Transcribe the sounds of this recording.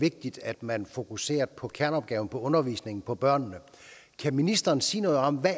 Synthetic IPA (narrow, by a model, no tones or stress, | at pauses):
e̝ɡ̥̚d̥id̥æd̥mænfo̝kʰuse̝̰ːɐpʰɒ̽kʰæɐnɒ̽b̥̚ɡ̥ɛːʊn̩pʰɒ̽ɔ̽nɐʋḭːsne̝ŋn̩pʰɒ̽b̥ɶɐ̰nnə | kʰæminisd̥ɐːnsḭːnɔ̽ːð̩ˠɒ̽mʋæ